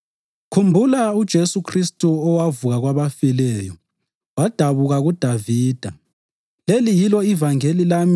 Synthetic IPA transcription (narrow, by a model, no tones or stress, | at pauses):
kʰumbʱulaud̥ʒ̥ʱesukʰristʼuɔwavuɣaɣwaβafilɛjɔ̰ | wad̥ʱaβuɣaɣud̥ʱaviːd̥ʱa | lelijilɔivaŋelilam